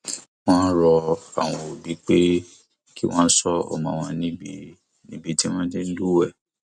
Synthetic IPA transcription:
w̃ɔ̃˦n˦ɾɔ˧a̰˨w̃ɔ̃˧o˨bi˨˦k͡pe˦ | ki˦w̃ɔ̃˦sɔ˦ɔ̰˦˨mã˨w̃ɔ̃˧nĩ˦bi˧ | nĩ˦bi˧ti˦w̃ɔ̃˦d͡ʒe˦n̩˦lu˦wɛ˦˨

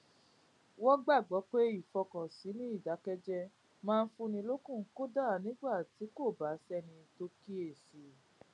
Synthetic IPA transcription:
wɔ˦ɡ͡ba˦˨ɡ͡bɔ˨˦k͡pe˦i˦˨fɔ˧kɔ̃˨si˨˦nĩ˦i˦˨da˨˦kɛ˦d͡ʒɛ˦ | mãː˦˧n̩˦fũ˧nĩ˧lo˦kũ˦˨˦ko˦da˦˨nĩ˨˦ɡ͡ba˦˨ti˨˦ko˦˨ba˨˦sɛ˧nĩ˧to˧ki˦e˦˨si˨

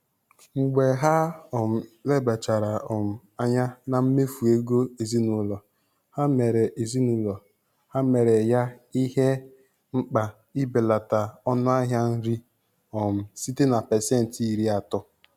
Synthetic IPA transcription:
ŋ͡m̩˨ɡ͡be˨ɦa˦ɔ˨m̩˨le˦ba˨t͡ʃa˨ɾa˨ɔ˨m̩˨ | a˦ɲa˦na˨m̩˦me˦fu˨e˦ɡo˦e˨zi˦nʊ˦lɔ˨ | ha˦me˨ɾe˨ʔe˨zi˦nʊ˦lɔ˨ | ha˦me˨ɾe˨ja˦i˦ɦe˦ | ŋ͡m̩˦k͡pa˨ | i˦be˨la˨ta˨ɔ˦nʊ˦a˦ɦja˦n̩˦ɾi˦ | ɔ˨m̩˨si˦te˦na˨pɛ˨sɛ˦n̩˨ti˦ɾi˦a˨tʊ˦

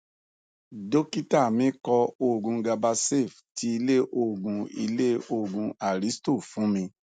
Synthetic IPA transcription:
do˦ki˦ta˦˨mĩ˨˦kɔ˧o˧˨ɡũ˧ɡa˧ba˧se˦˨fti˧i˧le˦ʔo˦˨ɡũ˧i˧le˦o˦˧˨ɡũ˧a˨ɾi˨˦sto˦˨fũ˨˦mĩ˧

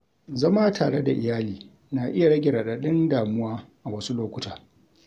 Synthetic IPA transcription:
zɐ˦maː˦tʰaː˨ɽe˦da̰˨ʔɪ̰˨jaː˦liː˨ | na˨ʔɪ˦ja˨ɽɐ˦ɡʲɪ˨ɽaː˨ɗa˨˦ɗɪ˦ndaː˨mʊ˦waː˦ʔa˨wɐ˦su˦loː˦kʷʊ˦taː˨

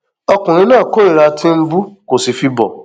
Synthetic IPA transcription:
ɔ˧kũ˨ɾ̃ĩ˧˦nãː˦˨ko˦i˦˨ɾa˧tʰĩ˦m̩˦bu˦ko˨si˨fi˧bɔ̰˨

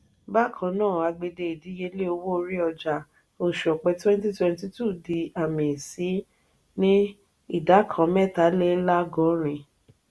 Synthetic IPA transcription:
ba˦˨kʰã˨˧˦nãː˦˨a˧ɡ͡be˧de˧i˨di˨˦je˧˦le˦o˧wo˦o˧ɾi˦ɔ˧d͡ʒa˧˨ | o˨ʃɔ˨k͡pɛ˧˦twɛ̃˦nti˦twɛ̃˧nti˧˦tu˦˨di˧a˨mĩ˨si˨˦ | nĩ˦ | i˦˨da˨˦kʰã˨˦mɛ˦˨ta˨˦le˦la˦ɡɔ˨˦ɾ̃ĩ˧

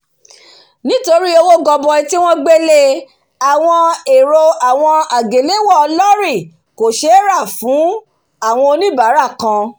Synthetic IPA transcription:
nĩ˦to˧ɾi˦o˧wo˦ɡɔ˧bɔ˧i˧ti˦w̃ɔ̃˦ɡ͡be˦le˧ | a˨w̃ɔ̃˧e˨ɾo˧a˨w̃ɔ̃˧a˨ɡe˨le˦wɔ˦˨˧lɔ˦ɾi˦˨ | ko˨ʃe˦ɾa˦˨fũ˨˦ | a˦˨w̃ɔ̃˧o˧nĩ˦ba˨˦ɾa˦˨kã˧

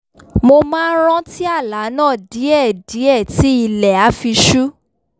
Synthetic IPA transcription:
mo˧mãː˦n˦ɾ̃ã˦ti˦a˦˨la˨˦nãː˦˨di˨˦ɛ˦˨di˨˦ɛ˦˨ti˨˦i˧lɛ˨a˨˦fi˧ʃu˦

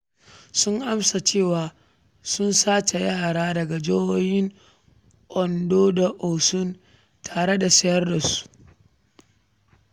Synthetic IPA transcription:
sʊ˦ŋʔa˦msa˨t͡ʃeː˦˨waː˨ | sʊ˦nsaː˦t͡ʃe˨ja˦ha˨ɾaː˦dɐ˨ɡa˨d͡ʒoː˦woː˦hɪ˦ŋ | ʔɔ˨ndoː˦da˨ʔo˨sʊ˦n | tʰaː˨ɽe˦da˨sɐ˦jɐ˦rda˨su̥˦ʔ

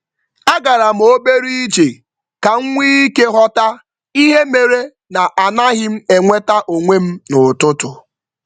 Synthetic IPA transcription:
a˦ɡa˨ɾa˨m̩˨o˦be˦ɾi˦i˦d͡ʒe˨ | ka˨ŋ̩˦ŋʷi˦i˦ke˦ɦɔ˦ta˦ | i˦ɦe˦me˨ɾe˦ | na˨ʔa˨na˦ɦɪ˦m̩˦e˨ŋʷe˦ta˦ʔo˨ŋʷe˦m̩˦nʊ˨tʊ˦tʊ˨

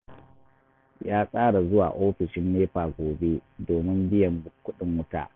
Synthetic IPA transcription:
jaː˦sʼaː˦ɽa˨zʊ˦wa̰ː˨ʔoː˦ɸɪ˨ʃɪ˦nːeː˦ɸaː˨ɡʷoː˨be˦doː˨mɪ˦mbɪ˦jɐ˨m˦kʷʊ˦ɗɪ˨ŋwʊ˦ta̰ː˨ʔ

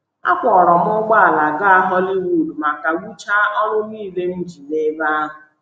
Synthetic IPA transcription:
a̰˦kʷɔ˨ɾɔ˨ɦʊ˦ɡ͡ba˦a˨la˨ɡa˦a˦ɦɔ˦li˦wu˨dma˨ka˨wu˦t͡ʃa˦ʔɔ˦ɾʊ˦niː˦˨le˦m̩˦d͡ʒi˨ne˦ba˦a˦ɦʊ˨

